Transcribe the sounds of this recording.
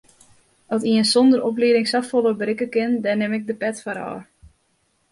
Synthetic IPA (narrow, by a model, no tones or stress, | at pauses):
ɔtiənsondəɾɔp̬liəɾɪŋsafolˠəbrɪkəkɪndɛnːɪmɪk̚dəpɛtfaɾɔ̰ːr